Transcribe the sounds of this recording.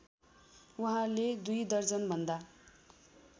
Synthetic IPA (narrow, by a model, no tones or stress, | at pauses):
uɦãled̪ujd̪ʌrd͡zʌnbʱʌnd̪a